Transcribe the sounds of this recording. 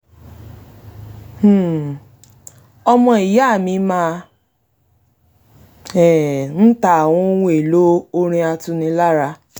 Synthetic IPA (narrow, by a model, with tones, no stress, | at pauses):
ɔ˧mɔ̃˧i˨ja˦˨mĩ˧˦mã˦˧˦ | ɛ˨n̩˦ta˦˨w̃ɔ̃˦wũ˦e˨lo˦o˦ɾ̃ĩ˧a˧tũ˧nĩ˧la˦ɾa˧